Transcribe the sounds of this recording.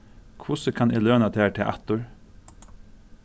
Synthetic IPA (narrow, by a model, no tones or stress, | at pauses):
kʰʋʊsəkʰɑnʔɪ̰ːløːnɑt̪ʰeːʈʰɪʔæ̰t̪ʊɹ